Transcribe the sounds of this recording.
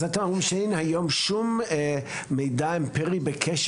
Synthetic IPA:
at̪amumʃenhajomʃumː | ejdaempɛʁibekʰeʃ

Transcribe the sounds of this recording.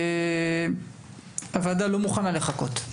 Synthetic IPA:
avad̪alo̞muχanale̞χako̞t̪

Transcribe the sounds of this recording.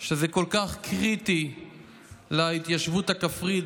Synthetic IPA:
ʃezeko̞lkaχkʰʁit̪i | lait̪jaʃvut̪hakafʁid

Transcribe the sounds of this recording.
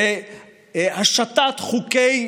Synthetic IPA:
e | haʃat̪at̪χukej

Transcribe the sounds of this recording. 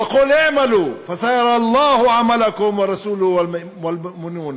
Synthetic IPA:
ɑquːlʔaʕmaluːfasajɑɾˤɑɑlˤːɑːhʕamalakʊmwɑɾˤɑsuːlʊhwamʔwalʊʔmɪnuːn

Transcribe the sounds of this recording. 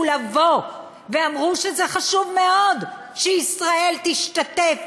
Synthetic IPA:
lavo̞ | veamʁuʃezeχaʃuvme̞o̞d̪ | ʃeisʁae̞lt̪iʃt̪at̪ef

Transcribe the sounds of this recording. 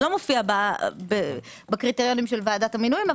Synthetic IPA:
lo̞mofiababe | bekʁiteʁjo̞nimʃelvaːdathaminuima

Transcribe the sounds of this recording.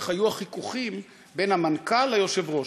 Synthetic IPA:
χhajuaχikuχim | be̞nhamankalajoʃevʁo̞

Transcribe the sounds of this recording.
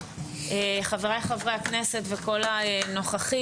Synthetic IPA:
eχaveʁajχavʁehakneset̪veko̞laeno̞χaχi

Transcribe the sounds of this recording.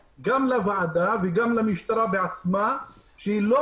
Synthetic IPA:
ɡamlavaad̪aveɡamlamiʃt̪aɾabeat͡smaʃehilo

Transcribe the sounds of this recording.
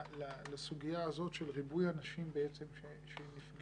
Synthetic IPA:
lalasuɡijaːzo̞tʃelʁibujanaʃimbeet͡se̞mʃe | ʃenifɡ

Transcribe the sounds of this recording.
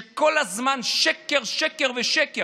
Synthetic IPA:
ekolhazmanʃekeʁʃekeʁveʃeke

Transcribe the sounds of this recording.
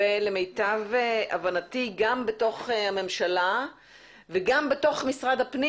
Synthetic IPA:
elemejtavʔa̰vanatiɡambeto̞χhame̞mʃala | veɡambeto̞χmisʁad̪hapni

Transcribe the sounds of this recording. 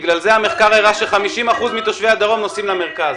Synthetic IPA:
ɡlalzeame̞χkaʁeʁaʃelχamiʃimaχuzmit̪o̞ʃvead̪aʁo̞mnosimlameʁkaz

